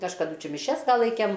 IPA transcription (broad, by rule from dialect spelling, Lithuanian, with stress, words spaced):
kɐʃkɐˈdʊ ˈt͡ʃʲɛ mʲɪˈʃʲɛs ʋɐ ˈlˠɐɪkʲɛm